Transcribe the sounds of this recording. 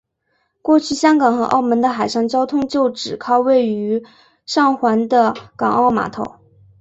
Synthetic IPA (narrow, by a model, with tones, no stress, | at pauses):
kwɔ˥˧t͡ɕʰy˥˩ɕjɑ˥ŋkɑ˨˩ŋxɤ˧˥ʔɑ̰˥˩ʊmə˧˥nd̪ə˧xa˨˩ɪʂɑ˥˩ŋt͡ɕjɑ˥ʊt̪ʰʊ˥ŋt͡ɕjo˥˩ʊʈ͡ʂɻ̩˨˩kʰɑ˥ʊwe˥˩ɪy˧˥ | ʂɑ˥˩ŋxwa˧˥nd̪ə˧kɑ˨˩ŋɑ˥˩ʊma̰˨˧˥t̪ʰo̰˨˧˩ʊ